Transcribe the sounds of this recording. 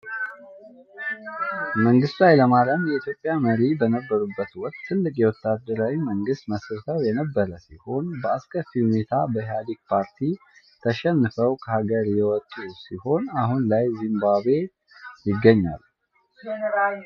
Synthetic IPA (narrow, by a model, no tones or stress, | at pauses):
məŋɡɨst̪lajləmaləmjɛʔit̪ʰjo̞pʼjaməɾibənəbːəɾubːət̪wɔkt̪t̪ːʰɨlːɨkʼjɛwɔt̪ːad̪ːəɾawiməŋɡɨst̪məsɨɾt̪ʰəwjɛnəbːəɾəsiho̞nbəaskʼəfihune̞t̪ʰabəhjad̪ik̚pʰaɾt̪ʰi | t̪ʰəʃɛnːɨfəwkʰəhaɡəɾjɛwɔt̪ʼːusiho̞naɦunlajzimbabe̞ | jɪɡːəɲːa̰l